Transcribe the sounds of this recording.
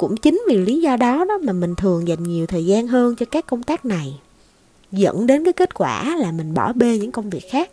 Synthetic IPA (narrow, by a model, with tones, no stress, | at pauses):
kʊ̰˧˥ŋ͡mt͡ɕï˨˦ŋ̟vi˨˩li˨˦zɔ˧ɗɔ˨˦ɗɔ˨˦maː˨˩mï˨˩ŋ̟t̪ʰɨ˨˩əŋza˨˩jŋ̟ɲi˨˩əwt̪ʰəː˨˩jzaː˧nɦəː˧nt͡ɕɔ˧kaː˦˥kːə˧wŋ͡mt̪aː˦˥k̚na˨˩j | zə̰˧˥nɗe˨˦nkaː˨˦jke˦˥t̚kwaː˧˩laː˨˩mï˨˩ŋ̟ɓɔ˧˩ɓe˧ɲɨ̰˧˥ŋkə˧wŋ͡mvi˨˩ək̚xaː˦˥k̚